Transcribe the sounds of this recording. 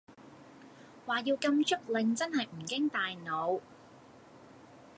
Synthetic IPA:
waː˨˩jiː˧wkɐ˧mt͡ʃʰɵ˥k̚lɪ˨ŋt͡sɐ˥nɦɐ˨jm̩˨˩kɪ˥ŋt̪aː˨jno˨˧w

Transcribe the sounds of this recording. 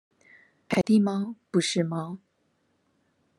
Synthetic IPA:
pa˨˩ɪt̪i˥˩mɑ˥ʊpu˥˧ʂɻ̩˥˩mɑ˥ʊ

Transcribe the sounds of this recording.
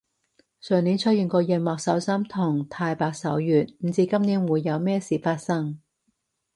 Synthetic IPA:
sœː˨˩ŋniː˨˥nt͡sʰɵ˥t̚jiː˨˩nkɔː˧jɛ˨˧nwaː˨k̚sɐ˨˥wsɐ˥mt̪ʰʊ˨˩ŋt̪ʰaː˧jpaː˧k̚sɐ˨˥wjyː˨t̚m̩˨˩t͡siː˧kɐ˥mniː˨˥nwuː˨˧jːɐ˨˧wmɛː˥siː˨˩faː˧t̚sɐ˥ŋ

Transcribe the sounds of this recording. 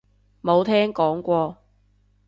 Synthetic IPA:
mo˨˧wt̪ʰɛː˥ŋkɔː˨˥ŋkʷɔː˧

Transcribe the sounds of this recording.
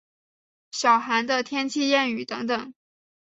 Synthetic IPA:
ɕjɑ˨˩ʊxa˧˥nd̪ə˧t̪ʰjɛ˥nt͡ɕʰi˥˧jɛ˥˩ny˨˩t̪ɤ˧˥ŋt̪ɤ˨˩˦ŋ

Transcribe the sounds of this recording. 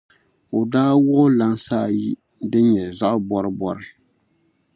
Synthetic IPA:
o˨daː˦wʊ˦ʔʊ˦la˦n˦saː˦˨ji˦ | dɨ˦ɲɛ˨za˦ʔbɔ˦ɾɨ˦bɔ˦ɾɨ˦

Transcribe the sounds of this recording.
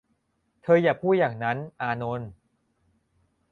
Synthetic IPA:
t̪ʰɤː˧jaː˨˩pʰuː˥˩t̪̚jaː˨˩ŋna˦˥nʔaː˧no˧n

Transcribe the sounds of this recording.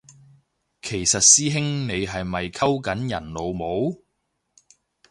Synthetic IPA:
kʰe˨˩jsɐ˨t̚siː˥ɦɪ˥ŋne˨˧jɦɐ˨jmɐ˨jkʰɐ˥wkɐ˨˥njɐ̰˨˩nlo˨˧wmo˨˥w

